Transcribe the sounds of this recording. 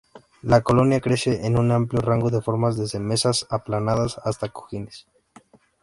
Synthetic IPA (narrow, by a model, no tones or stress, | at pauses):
lako̞lo̞njakɾe̞se̞ʔenũnampljo̞raŋɡo̞ðe̞fo̞ɾmazðeze̞me̞sasaplanaðasast̪ako̞̥xines